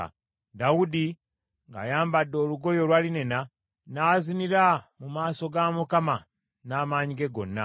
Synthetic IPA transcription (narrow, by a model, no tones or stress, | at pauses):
daudi | ŋɡa̰jaːmbadːo̞ːluɡo̞jo̞lwaːline̞na | naːziniɾamumaːso̞ɡamukama | naːmaːɲiɡe̞ɡo̞̰nːa̰